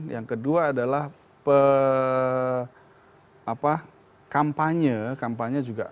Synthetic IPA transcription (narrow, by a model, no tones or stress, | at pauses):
jaŋkəduaːdalah | pə | apa | kampaɲəkampaɲəd͡ʒuɡa̰